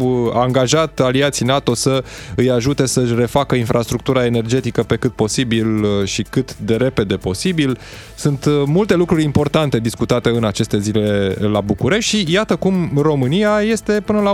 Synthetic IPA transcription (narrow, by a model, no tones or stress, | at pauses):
aŋɡaʒat̪aliat̪sijnat̪o̞səɨjaʒut̪e̞səɨʃre̞fakəinfɾʔast̪ɾuk̚t̪uɾae̞ne̞rd͡ʒe̞t̪ikəpe̞kɨt̪̚po̞sibilʃikɨt̪d̪e̞ɾe̞pe̞d̪e̞po̞sibil | sunt̪mult̪elukɾuɾʲimpo̞rt̪ant̪e̞d̪iskut̪at̪e̞ɨnat͡ʃe̞st̪e̞zile̞labukuɾe̞ʃt̪ʃijat̪əkumro̞mɨnijaje̞st̪e̞pɨnəla